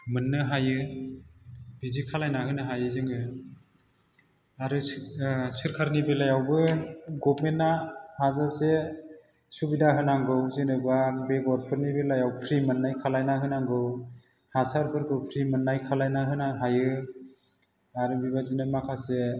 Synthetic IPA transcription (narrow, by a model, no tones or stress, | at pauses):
mɯnːɯɦajɯ | bizikʰalajnahɯnɯɦajɯzɯŋɯ | aɾɯ | sɯɾkʰaɾnibelajawbɯɡɔp̚menːahazase | subidaɦɯnaŋɡɯwzinɯbabeɡɔɾpʰɯɾnibelajawpʰɾimɯnːajkʰalajnaɦɯnaŋɡɯw | hasaɾpʰɯɾɡʰɯpʰɾimɯnːajkʰalajnaɦɯnaɦajɯ | aɾɯbibazinɯmakʰase